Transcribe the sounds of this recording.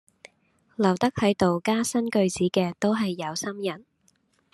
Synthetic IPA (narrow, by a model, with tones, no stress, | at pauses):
lɐ˨˩wt̪ɐ˥k̚hɐ˨˥jt̪o˨wkaː˥sɐ˥nkɵ˧ɥt͡siː˨˥kɛː˧t̪o˥wɦɐ˨jːɐ˨˧wsɐ˥mjɐ˨˩n